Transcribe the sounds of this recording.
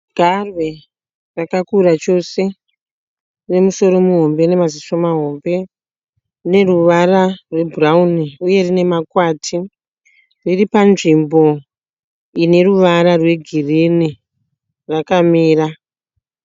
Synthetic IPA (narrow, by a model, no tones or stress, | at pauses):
ɡ̥ʱarwe̞ | rakakurat͡ʃo̞se̞ | ne̞muso̞ɾo̞muɦo̞mbe̞ne̞maziso̞maɦo̞mbe̞ | ne̞ruʋararwe̞bʱurauniuje̞rine̞makwaːtʰi | riripanʐimbo̞ | ine̞ruʋaɾarwe̞ɡʱirini | rakamiːra